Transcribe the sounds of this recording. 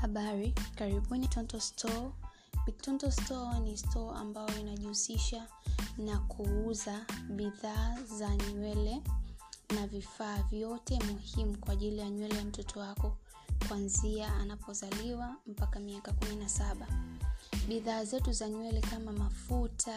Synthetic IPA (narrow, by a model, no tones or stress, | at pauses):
haɓaɾikaɾiɓunitɔntɔstʰɔ | ɓitɔntɔstɔnistʰɔa̰mbajɔinaʄihusiʃa | nakʰuuzaɓiðaːzaɲwɛlɛ | navifaːvjɔtɛmuhimukwaːʄilijaɲwɛlɛjam̩tɔtʰɔwakɔ | kwanziaanapɔzaliwam̩pakamiakakuminasaɓa | ɓiðaːzɛtuzaɲwɛlɛkamamafutʰa